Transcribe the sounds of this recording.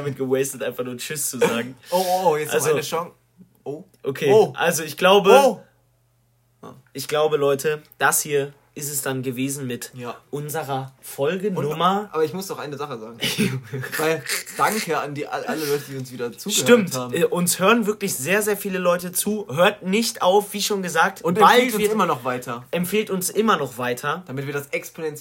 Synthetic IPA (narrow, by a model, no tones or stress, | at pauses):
amɪt̚ɡ̥əwɛɪstətʔaɪnfaχnuːɐt͡ʃʏst͡suzaːɡŋ̩oojɛʔa̰lzoonəʃɔŋ | ʔoʔokʰeːoʔalzoɪçɡ̥laʊbə | ʔɪçɡ̥laʊbəlɔʏtʰəd̥ashiːɐ | ʔɪstɛsd̥anɡəveːzn̩mɪtjʔʊnzəʁɐfɔlɡənnʊmɐʔaːbɐɪçmʊsdɔχʔaɪnəzaχəza̰ːɡŋ̩ | vaɪld̥aŋkʰəandiːʔaʔa̰ləlɔʏtədiːʊnsv̥iːdɐt͡suːʃɡətɪmthaːbmɛːʔʊnshøːʁənvɪɐklɪçz̥eːɐzeːɐfiːləlɔʏtət͡suːhøːɐtnɪçtʔaʊfv̥iːʃoːnɡəzaːk̚tʊnbatniɪmɐnɔχv̥aɪtʰɐʔɛmpfeːltʊnsʔɪmɐnɔχv̥aɪtʰɐd̥amɪtviːɐdasɛkspʰonɛnt͡s